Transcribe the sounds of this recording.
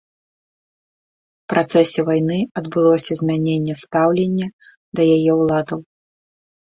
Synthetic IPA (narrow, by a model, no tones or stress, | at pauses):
pɾʔat̪sɛsʲɛvajnɨɐd̪bɨlˠɔsʲɐzʲmʲanʲenʲːɛst̪awlʲenʲːɐ | d̪ɐjajɛwlˠad̪ɐw